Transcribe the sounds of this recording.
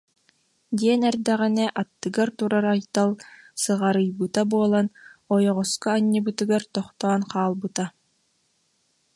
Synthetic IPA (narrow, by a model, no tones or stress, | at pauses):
d̪iɛnɛɾd̪ɛʁɛnɛʔat̪ːɯɡaɾt̪uɾaɾajt̪alˠsɯʁaɾɯjbɯt̪abuɔlˠanɔjɔʁɔskaːɲːibɯt̪ɯɡaɾt̪ɔχt̪ɔːnqaːlˠbɯt̪a